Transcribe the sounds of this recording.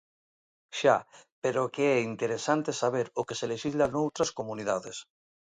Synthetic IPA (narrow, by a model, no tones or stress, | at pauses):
ʃapeɾokeɛint̪eɾesant̪esaβ̞eɾokeseleʃizlanowt̪ɾaskomuniðaðes